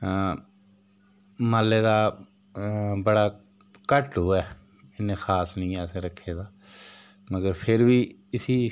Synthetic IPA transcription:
maːleːd̪aː | bəɽaː | kəʈoːɛː | ɪnẽːxaːsnĩːɛːsẽːɾəkʰːeːd̪aː | məɡəɾpʰɪɾʋiː | ɪsiː

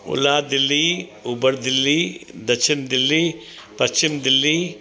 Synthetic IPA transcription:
ʊ̰laːd̪ɪlːiːʊbəɾd̪ɪlːiːd̪ɐʃɪmd̪ɪlːi | pɐst͡ʃɪmd̪ɪlːi

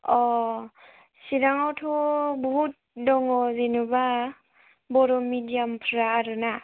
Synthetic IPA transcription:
ɔ | siɾaŋawtʰɔbɔɦut̚dɔŋɔzenuba | bɔɾɔmidijampʰɾaːɾɯna

